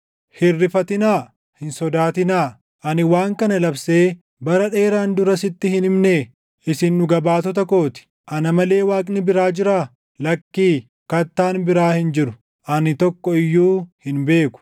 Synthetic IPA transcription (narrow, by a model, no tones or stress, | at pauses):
hɪrːɪfɐt̪ɪnaː | hɪnsɔd̪aːt̪ɪnaː | ʔɐnɪwaːŋkɐnɐlɐbse̞ː | bɐɾɐᶑe̞ːɾaːnd̪ʊɾɐsɪt̪ːɪhɪnɪmneː | ʔɪsɪnːʊɡɐbaːt̪ɔt̪̬ɐko̞ːt̪ɪ̥ | ʔɐnɐmɐle̞ːwaːkʼnɪbɪɾaːd͡ʒɪɾaː | lɐkːiː | kɐt̪ːaːnbɪɾaːhɪnd͡ʒɪɾʊ̥ | ʔɐnɪt̪ɔkːɔɪjːuːhɪnbe̞ːkʊ̥